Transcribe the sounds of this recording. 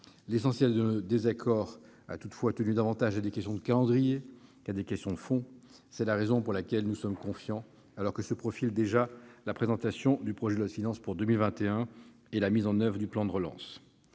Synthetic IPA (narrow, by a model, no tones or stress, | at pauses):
lesɑ̃sjɛld̪ənod̪ezakʰɔʁa̰t̪ut̪fwat̪ənyd̪avɑ̃t̪aʒad̪ekɛst̪jɔ̃d̪əkalɑ̃d̪ʁijekad̪ekʲɛst̪jɔ̃d̪əfɔ̃ | sɛlaʁezɔ̃puʁlakʲɛlnusɔmkɔ̃fjɑ̃ | alɔʁkəsəpχɔfild̪eʒalapχezɑ̃t̪asjɔ̃d̪ypχɔʒɛd̪əlɔfinɑ̃spuʁd̪ømilvɛ̃t̪eɛ̃ | elamizɑ̃nœvʁəd̪yplɑ̃d̪əʁəlɑ̰̃s